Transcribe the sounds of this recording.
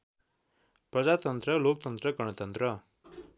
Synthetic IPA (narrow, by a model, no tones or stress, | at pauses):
prʌd͡zat̪ʌnt̪rʌlok̚t̪ʌnt̪rʌɡʌɽ̃ʌt̪ʌnt̪rʌ